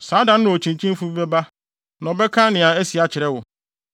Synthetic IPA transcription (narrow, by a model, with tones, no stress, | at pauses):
saː˨˦da˨n˦nʊ̃˦ɔ˨t͡ɕʰĩ˨ɲ˨t͡ɕʰĩ˦n˦fu˦bɛ˦ba˦ | nã˨ɔ˨bɛ˦kʰã˦nɪ̃˨a˨æ˦si˨a˨t͡ɕʰɪ˨ɾɛ˦wʊ˨